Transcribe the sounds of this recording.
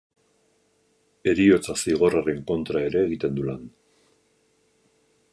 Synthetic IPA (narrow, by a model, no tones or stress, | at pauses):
e̞ɾio̞t͡sasiɣ̞o̞rare̞ŋko̞nt̪ɾae̞ɾe̞ːɣit̪e̞nd̪ulan